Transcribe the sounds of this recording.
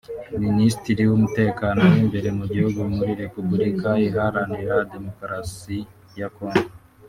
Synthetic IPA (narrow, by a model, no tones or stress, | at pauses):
ministiɾiwumute̞ːkaːno̞wimbe̞ɾe̞muɟihuɡumuɾiɾe̞publikaiɦaɾandiɾade̞mo̞kɾasi | jako̞ːŋɡo